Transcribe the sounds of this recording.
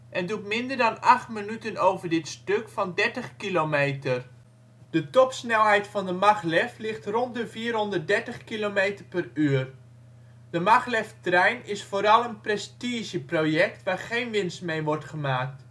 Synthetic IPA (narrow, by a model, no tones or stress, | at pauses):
ʔɛndutmɪndərdɑnɑχtminytənowvərdɪtstɵkfɑndɛɹtəχkilomejtər | d̥ətɔpsnɛlˠɦɛjtfɑndəmɑχlɛflɪχtrɔnt̚dəviːrɦɔndərt̚dɛɹtəχkilomejtərpəryːər | d̥əmɑχlɛftrɛjnɪsfoːɾɑlˠənprɛstiʒjəprojɛktʋaːrχejnʋɪnstmejʋɔrtχəmaːk̚t